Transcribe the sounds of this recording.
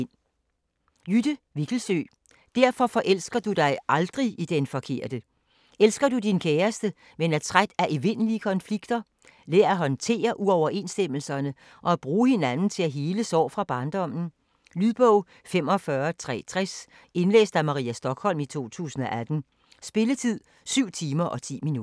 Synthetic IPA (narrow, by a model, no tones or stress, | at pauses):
n | jyd̥əʋiɡ̥l̩sø̰ː | d̥æɐfɒ̽fɒ̽ʔel̰sɡ̥ɐd̥ud̥ɑ̈ɪʔɑ̈ld̥ʁiʔid̥enfɒ̽kʰe̝ɐ̰d̥ə | elsɡ̥ɐd̥ud̥inkʰeːɐsd̥ə | menæt͡sʰʁad̥æʔeʋe̝nəliəkʰɒ̽nfliɡ̥d̥ɐ | lɛːɐæɦɒ̽nt͡sʰe̝̰ːɐʔuɒʊɐʔe̝nsd̥em̰l̩sɐnə | ʔɒ̽æb̥ʁuːhe̝nænn̩t͡sʰe̝læɦe̝ːləsɒ̰ːfʁɑ̈b̥ɑ̈nd̥ɒ̽m̰n̩ | lyðˠb̥ɔʊ | fem̰ɒ̽fɶɐt͡sʰʁɛ̰ːt͡sʰʁas | e̝nlḛːsd̥æmɑ̈ʁḭːæsd̥ɒ̽ɡ̥hɒ̽l̰mit͡sʰo̝̰ːt͡sʰṵːsn̩ɒ̽ʔæd̥n̩ | sb̥e̝lət͡sʰið̰ˠ | syʊ̰t͡sʰiːmɐʔɒ̽t͡sʰḭːminu